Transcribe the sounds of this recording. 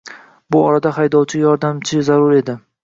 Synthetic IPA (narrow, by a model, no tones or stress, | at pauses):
bʊɒɾad̪aɦajd̪ɒwt͡ʃʰɪjɒɾd̪amt͡ʃʰɪzaɾʊɾe̞d̪ɪ